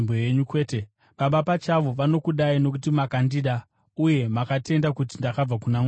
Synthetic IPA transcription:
bojeɲukwe̞ːte | ɓaɓapat͡ʃaʋo̞ʋano̞kuɗaino̞k̬utimakandiɗa | uje̞makate̞ndakut̬indakab͡vakunam

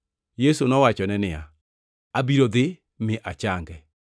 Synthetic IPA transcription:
jesonɔwat͡ʃɔnɛnɪa | abiɾoðɪ | mɪʔat͡ʃaŋɡɛ

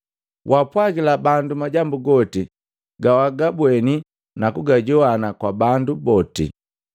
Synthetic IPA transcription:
wʔapwaɡilabandumaɟambuɡɔti | ɡawaɡabwɛni | nakuɡaɟɔwanakwabandubɔtḭ

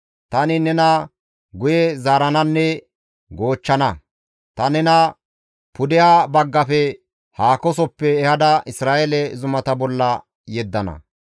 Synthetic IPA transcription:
t̪ɐnɪnɛnɐ | ɡʊjɛzaːɾɐnɐnːɛ | ɡo̞ːt͡ʃːɐnɐ | t̪ɐnɛnɐ | pʊd̪ɛjaːbɐɡːɐfɛ | haːkɔs̬ɔpːɛːhɐd̪ɐɪsɾaːʔelɛzʊmɐt̪ɐbɔlːɐ | jɛd̪ːɐnɐ̰

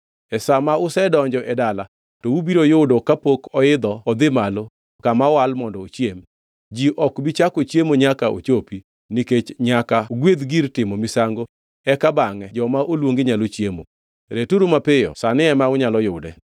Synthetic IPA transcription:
ɛsamaʊsɛdɔɲd͡ʒɔʔɛdala | tɔubiɾojʊdokapokɔɪd̪ɔɔd̪ɪmalo | kamawalmɔndɔot͡ʃjem | d͡ʒiʔɔkbit͡ʃakot͡ʃjemoɲakaʔo̰t͡ʃopi | niket͡ʃɲakaɡwed̪ɡiɾtɪmɔmisaŋɡo | ɛkabaŋɛd͡ʒɔmaʔolwoŋɡɪɲalot͡ʃjemo̰ | ɾetuɾumapɪjɔ̰sanɪɛmaʊɲalɔjʊdɛ̰

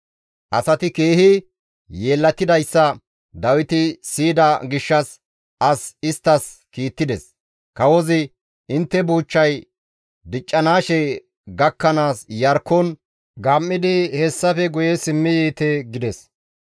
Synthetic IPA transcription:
ʔɐsɐt̪ɪke̞ːhɪ | jeːlːɐt̪ːɪd̪ɐjsːɐ | d̪ɐwɪt̪ɪsiːd̪ɐɡɪʃːɐs | ɐsɪst̪ːɐs | kiːt̪ːɪd̪ɛs | kɐwɔzɪ | ɪnt̪ːɛbuːt͡ʃːɐj | d̪ɪt͡ʃʼːɐnaːʃɛ | ɡɐkːɐnaːsjɐɾkːɔn | ɡɐmːɪd̪ɪhɛsːɐfɛɡʊjɛsɪmːɪjiːt̪ɛɡɪd̪ɛs

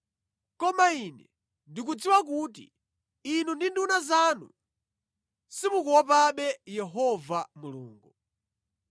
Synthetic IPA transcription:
kɔmainɛ | ndik̬ud͡ziwak̬utḭː | nundindunazaːnṵ | simukuwɔpaɓɛjɛɦɔvamuluːŋɡu

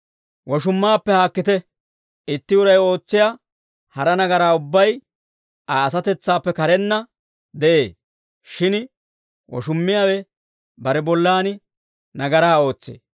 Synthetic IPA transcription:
wɔʃ̬ʊmːaːpːɛhaːkːɪt̪ɛ | ɪt̪ːɪʊɾɐjo̞ːt͡sːɪjaː | hɐɾɐnɐɡɐɾaːʊbːɐj | ɐːs̬ɐt̪ɛt͡sːaːpːɛkɐɾɛnːɐ | d̪ɛʔeː | ʃɪn | wɔ̰ʃʊmːɪjaːwɛ | bɐɾɛbɔlːaːnɪ | nɐɡɐɾaːo̞ːt͡sːḛː

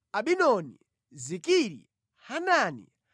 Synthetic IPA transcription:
aɓinɔnḭ | zikiɾḭ | hananḭ

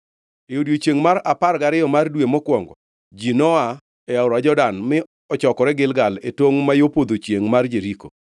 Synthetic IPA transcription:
ejodjot͡ʃeŋmaɾaparɡaɾɪɔmardwemɔkwɔŋɡɔ | d͡ʒinɔa | ɛaʊɾad͡ʒɔdanmɪ | ɔt͡ʃɔkɔɾɛɡɪlɡaletwoŋmajopod̪ot͡ʃjeŋmard͡ʒeɾiko

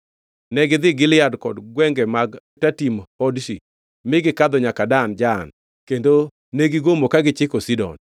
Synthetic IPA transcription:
nɛɡɪd̪ɪɡɪlɪjadkɔdɡwɛŋɡɛmaɡ | tatimɔdʃi | mɪɡɪkad̪ɔɲakadand͡ʒan | kendo | neɡiɡomokaɡɪt͡ʃɪkosidɔ̰n

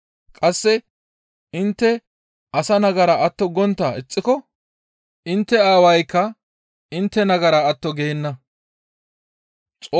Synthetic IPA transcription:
kʼɐsːɛ | ɪnt̪ːɛ | ɐsɐnɐɡɐɾɐʔɐt̪ːɔɡɔnt̪ːɐɪt͡sʼːɪkɔ | ɪnt̪ːɛaːwɐjkːɐ | ɪnt̪ːɛnɐɡɐɾɐːt̪ːɔɡeːnːɐ | t͡sʼo

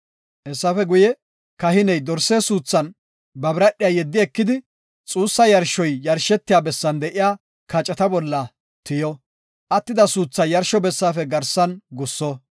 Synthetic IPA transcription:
ʔɛsːɐfɛɡʊjɛ | kɐhɪnɛjd̪ɔɾsːeːsuːt͡sːɐn | bɐbɾɐɗːɪjaːjɛd̪ːɪɛkːɪd̪ɪ | t͡sʼuːsːɐjɐɾʃɔjjɐɾʃɛt̪ːɪjaːbɛsːɐnd̪ɛʔɪjaː | kɐt͡ʃʼːɐt̪ɐbɔlːɐ | t̪ɪjɔ | ʔɐt̪ːɪd̪ɐsuːt͡sːɐjɐɾʃɔbɛsːaːfɛɡɐɾsɐnɡʊsːɔ

